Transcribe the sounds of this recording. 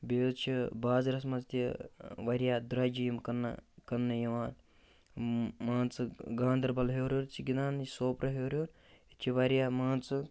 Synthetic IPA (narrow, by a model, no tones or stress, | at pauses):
beːzt͡ʃʰibaːzɾɐs̬mɐzt̪iʋɐɾijaːd̪ɾɐd͡ʒijmkɐnːkɐnːɐjɐʋaːn | maːnt͡sɨɡaːnd̪ɐɾbɐlɦoːɾʲjoɾt͡ʃʰiɡinaːnsoːpɾɐɦoːɾʲjoːɾ | it͡ʃʰiʋɐɾijaːmaːnt͡sɨ